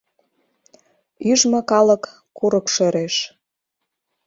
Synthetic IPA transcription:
yʒmɤ̆kɑlə̆kː | uɾəkʃøɾeʃ

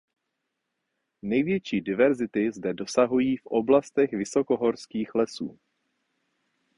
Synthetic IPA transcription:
nɛjvjɛt͡ʃiːdɪvɛɾzɪt̪ɪzdɛdo̞saɦujiːfʔo̞blast̪ɛxvɪsoko̞ɦo̞ɾskiːxlɛsṵː

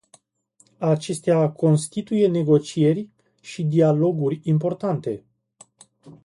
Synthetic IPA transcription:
at͡ʃe̞st̪eakʰo̞nst̪it̪uje̞ne̞ɡo̞t͡ʃije̞rʲ | ʃid̪ialo̞ɡurʲimpo̞rt̪ant̪e̞

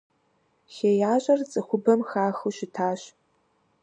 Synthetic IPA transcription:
xeːjaːɕʼɐrt͡sʼɨxʷʊbɐmxaːxɨʃɪtʰaːɕ

